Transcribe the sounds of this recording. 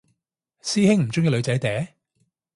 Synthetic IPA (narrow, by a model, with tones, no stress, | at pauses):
siː˥hɪ˥ŋm̩˨˩t͡sʊ˥ŋiː˧lɵ˨˧ɥt͡sɐ˨˥jt̪ɛː˨˥